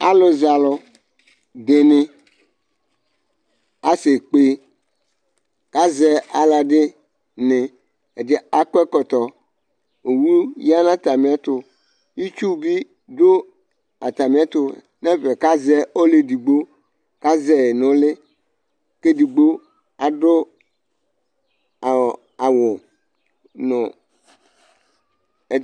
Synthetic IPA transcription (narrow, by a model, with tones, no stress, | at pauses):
a˦lʊ˨za˨lɔ˨ | de˨nɪ˦ | a˦sɪ˨k͡pe˨ | ka˦zɛ˦a˨la˨ɖɪ˦ | nɪ˨ | e˨d͡ʒɪ˦a˦kɛ˦kɔ˨t̪ɔ˨ | o˨wu˦ja˦nã˦t̪a˨mɪ̃˨a˦t̪ʊ˨ | ji˦t͡ʃu˦bi˦ | dʊ˦ | a˨t̪a˨mĩ˨˦a˦t̪ʊ˦ | nɛ̃˦vɛ˨ka˦zɛ˦o˦le˨di˨ɡ͡bo˦ | ka˦zɛ˨nʊ̃˨˦lɪ˦ | ke˦di˨ɡ͡bo˦ | a˨ɖʊ˦˨ | a˨wʊ˨ | nʊ̃˨